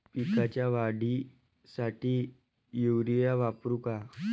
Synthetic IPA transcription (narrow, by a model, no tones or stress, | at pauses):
pikat͡ɕjaʋaɽi | saʈiː | juwɾijaʋapɾuka